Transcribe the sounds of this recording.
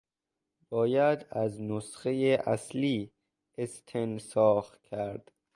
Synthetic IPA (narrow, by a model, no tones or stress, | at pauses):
b̥ɒːjæd̪æznosχejeʔæsliː | est̪ʰensɒːxt̪kʲʰæɾd̪̥